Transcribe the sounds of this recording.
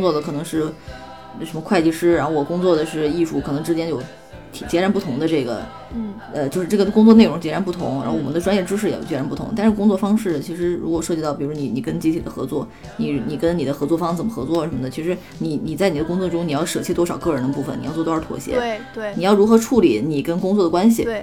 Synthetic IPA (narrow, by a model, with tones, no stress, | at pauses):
ŋt͡swɔ˥˩d̪ə˩kʰɤ˨˩nɤ˧˥ŋʂɻ̩˥˩ | ʂə˧˥mə˧kʰwa˥˧ɪt͡ɕi˥˧ʂɻ̩˥ɻa˧˥xo˧wɔ˨˩kʊ˥ŋt͡swɔ˥˩d̪ə˩ʂɻ̩˥˧i˥˧ʂu˥˩kʰɤ˨˩nɤ˧˥ŋʈ͡ʂɻ̩˥t͡ɕjɛ˥njo˥˩ʊ | t̪ʰi˨˩t͡ɕjɛ˧˥ɻa˧˥npu˥˩t̪ʰʊ˧˥ŋd̪ə˧ʈ͡ʂɤ˥˩ɡə̰˩ | ə˧t͡ɕjo˥˧ʂɻ̩˥˧ʈ͡ʂɤ˥˩ə˩kʊ˥ŋt͡swɔ˥˧ne˥˩ɪɻʊ˧˥ŋt͡ɕjɛ˧˥ɻa˧˥np̬u˥˩t̪ʰʊ̰˧˥ŋɻa̰˧˥xo˥˩wɔ˨˩mə˦nd̪ʈ͡ʂwa˥njɛ˥˩ʈ͡ʂɻ̩˥ʂ̬ɻ̩˥˩ɛ̰˨˩˨t͡ɕjɛ˧˥ɻa˧˥npu˥˩t̪ʰʊ̰˧˥ŋt̪a˥˧nʂɻ̩˥˧kʊ˥ŋt͡swɔ˥˩fɑ˥ŋʂɻ̩˥˩t͡ɕʰi˧˥ʂɻ̩˧˥ɻu˧˥kwɔ˨˩ʂɤ˥˩t͡ɕi˧t̪ɑ˥˩ʊpi˨˩ɻu˧˥wɔ˥ni˨˧˩ni˨˩kə˥nt͡ɕi˥tʰi˨˩d̪ə˦xɤ˧˥t͡swɔ˥˩ | ni˨˩ni˨˩kə˥nni˨˩d̪ə˦xɤ˧˥t͡swɔ˥˩fɑ˥ŋt͡sə˨˩mə˦xɤ˧˥t͡swɔ˥˩ə˧˩ʂə˧˥mə˧nə˩t͡ɕʰi˧˥ʂɻ̩˧˥ | ni˨˩˥ni˨˩t͡sa˥˩ɪni˨˩d̪ə˦kʊ˥ŋt͡swɔ˥˧˩ʈ͡ʂʊ˥ŋni˨˩jɑ˥˩ʊʂɤ˥˩t͡ɕʰi˥˩t̪wɔ˥ʂɑ˨˩ʊkɤ˥˩ɻə˧˥nd̪ə˧pu˥˩fə̰˨˩nḭ˨˩ɑ˥˧t͡swɔ˥˩t̪ɔ˥ə˞˧˥t̪ʰwɔ̰˨˩ɕjɛ̰˧˥˧ | ni˨˩jɑ˥˩ʊɻu˧˥xɤ˧˥ʈ͡ʂʰu˥˩li˨˩˥ni˨˩kə˥nkʊ˥ŋt͡swɔ˥˩d̪ə˩kwa˥nɕ̬ḭ˨˩